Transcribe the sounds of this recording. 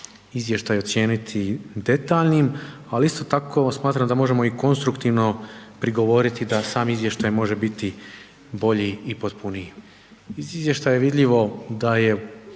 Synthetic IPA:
izʋjeʃt̪aːjot̪sje̞ːnit̪ʰid̪e̞t̪aːʎnim | aliist̪o̞t̪akʰo̞ːsmaːt̪ɾamd̪amo̞ʒe̞mo̞iko̞nst̪ɾukt̪iːʋno̞pɾiɡo̞ʋo̞ɾit̪id̪asaːmizʋje̞ʃt̪ajmo̞ʒe̞bit̪i | bo̞ʎiːpot̪puni | iizʋje̞ʃt̪aːjeʋid̪ʎiʋo̞d̪aje̞

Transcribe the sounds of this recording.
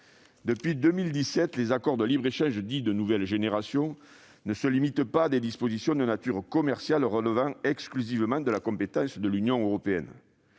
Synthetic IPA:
d̪əpɥid̪ømild̪isɛt̪lezakɔʁd̪əlibʁeʃɑ̃ʒəd̪id̪ənuvɛlʒeneʁasjɔ̃ | nəsəlimit̪paːd̪ed̪ispozisjɔ̃d̪ənat̪yʁkɔmɛʁsjalʁələvɑ̃ɛksklyzivəmɑ̃d̪əlakɔ̃pet̪ɑ̃sd̪əlynjɔ̃øʁɔpeɛ̰n

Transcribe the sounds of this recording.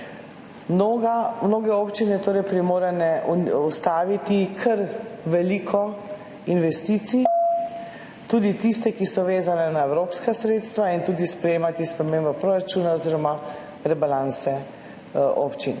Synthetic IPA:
mnoɡamnoːɡɛoːpt͡ʃinɛt̪oːɾɛjpɾimoːɾɛnɛust̪aːʋit̪ikʰəɾʋɛliːkʰɔ | inʋɛst̪iːt̪si | t̪uːd̪it̪ist̪ɛkisɔʋeːzanɛnaɛwɾoːpskasɾeːt̪st̪ʋaint̪uːd̪ispɾɛjeːmat̪ispɾɛmeːmbɔpɾoɾat͡ʃuːnaɔziɾɔma | ɾɛbalansɛ | o̰pt͡ʃin

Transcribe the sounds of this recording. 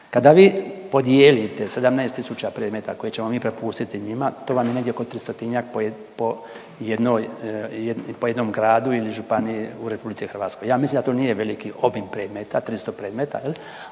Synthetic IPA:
kad̪aʋiːpo̞d̪jeːlit̪ese̞d̪amnaest̪isut͡ɕapɾeːd̪met̪ako̞jet͡ɕemo̞miːpɾe̞puːst̪it̪iɲimat̪o̞ːʋamjeneɡdjeokot̪ɾist̪ot̪iɲakpo | po | jed̪noj | poje̞d̪nomɡɾaːd̪uiliʒupanijeuɾe̞publit̪sixɾʋaːt̪sko̞jaːmislimd̪at̪onije̞ʋe̞likiʔo̞bimpɾe̞ːd̪met̪at̪ɾist̪opɾeːd̪met̪a̰jeli

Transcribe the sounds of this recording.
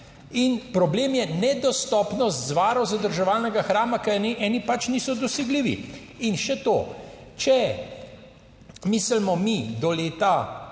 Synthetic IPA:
inpɾɔbleːmjɛnɛd̪ɔst̪ɔːpnɔst̪zʋaːɾɔwzad̪əɾʒɛʋaːlnɛɡaxɾaːmakɛniʔɛːnipat͡ʃniːsɔd̪ɔsɛɡliːʋḭ | inʃɛt̪oː | t͡ʃɛ | miːslmɔmid̪ɔleːt̪a

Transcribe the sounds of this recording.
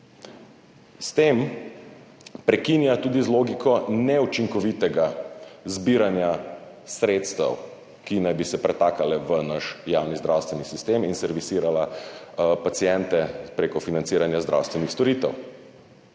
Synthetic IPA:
st̪eːm | pɾɛkinjat̪uːd̪izloːɡikʰɔnɛut͡ʃiŋkɔʋit̪ɛɡazbiːɾanja | sɾeːt̪st̪ɛ̰w | kinajbisɛpɾɛt̪aːkalɛʋənaʃjawnizd̪ɾawst̪ʋɛnisist̪eminsɛɾʋisiːɾala | pat̪sijɛnt̪ɛpɾekɔfinant̪siːɾanjazd̪ɾʔa̰wst̪ʋɛnixst̪ɔɾit̪ɛ̰w

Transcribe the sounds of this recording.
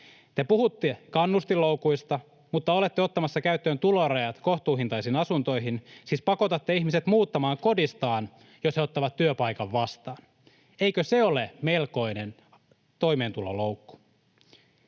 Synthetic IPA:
t̪e̞puhut̪ːekɑnːust̪ilːowkujst̪ɑ | mut̪ːɑo̞le̞t̪ːeot̪ːɑmɑsːɑkæyt̪ːøːnt̪ulorɑjɑt̪ko̞ht̪uːɦint̪ɑjsinɑsunt̪o̞jɦinsiːspɑko̞t̪ɑt̪ːeiçmiset̪muːt̪ːɑmɑːŋko̞dist̪ɑːn | josheot̪ːɑʋɑt̪ːyøpɑjkɑʋːɑst̪ɑːn | ejkøseo̞leme̞lko̞inen | t̪o̞imeːnt̪ulo̰lo̞wkːu̥

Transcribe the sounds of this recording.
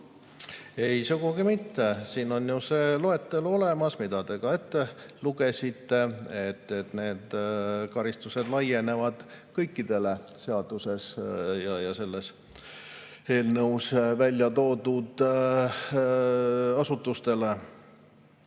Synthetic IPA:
e̞jsuɡ̥uɡ̥imit̪ːe̞siːno̞njuse̞ːlo̞e̞t̪ːelo̞le̞mɑsmid̪̥ɑd̪e̞ɡɑe̞t̪ːe̞luɡe̞sʲit̪ːe̞et̪ːet̪ne̞ːd̪̥kɑɾist̪use̞d̪lɑje̞ne̞vɑd̪̥kɤjkːid̪̥e̞le̞se̞ɑd̪̥use̞sjɑjɑse̞lːe̞s | e̞ːlnɤwsvælʲjɑt̪o̞ːd̪ud̪̥ | ɑsut̪ːust̪e̞le̞

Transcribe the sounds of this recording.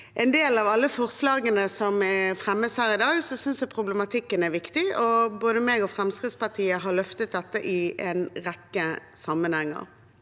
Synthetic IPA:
ʔɛnd̪eːlɑʋɑlːəfɔʁslɑːɡənəsɔmɛfʁɛmːəshæːɾɪd̪ɑːɡsɔsʏnsɛpʰʁʊblɛmɑt̪ʰɪkːənæɾʋɪkt̪ɪɔboːd̪əmeːɡɔfɾɛmskɾɪd̪spɑtʰiːəɦɑlœft̪ət̪̚d̪ɛt̪ːəʔɪʔɛnʁɛkːəsɑmːənhɛŋːə̰ʁ

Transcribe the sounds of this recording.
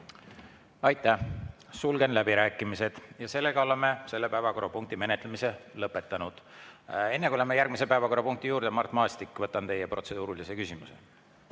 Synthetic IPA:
ɑjt̪ːˑæh | sulɡe̞nlæbiɾæːkːˑimise̞d̪̥jɑse̞lːe̞ɡɑo̞le̞mːe̞se̞lːepæevɑko̞ɾɑpuŋk̚t̪ime̞net̪lemise̞lɤpːˑe̞t̪ːˑɑnud̪̥e̞nːekuiolemːejærɡ̥̚mise̞pæevɑko̞rːɑpuŋkt̪ijuːɾd̪̥emɑrt̪ːˑmɑːst̪ikːˑvɤt̪ːˑɑnt̪e̞jepro̞t̪se̞d̪̥uːɾulisekysimusḛ

